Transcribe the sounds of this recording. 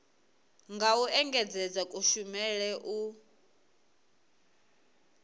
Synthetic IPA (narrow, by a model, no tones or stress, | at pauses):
ŋɡauʔɛŋɡɛd͡zɛd͡zakʼuʃumɛɺɛʔu